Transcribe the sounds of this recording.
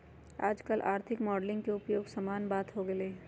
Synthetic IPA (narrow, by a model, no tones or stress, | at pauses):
a̰ːd͡ʒkɐlʔa̰ːɾt̪ʰɪkmɔːɖlɪ̃ŋɡkeʊpjoːɡsaːmaːnbaːt̪ɦoɡɐe